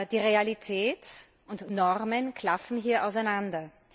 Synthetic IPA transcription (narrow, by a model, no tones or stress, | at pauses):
d̥iːʁealitʰɛːt | ʊntnɔʁmənkʰl̥afn̩ɦiːɐʔa̰ʊs̬æɪnandɐ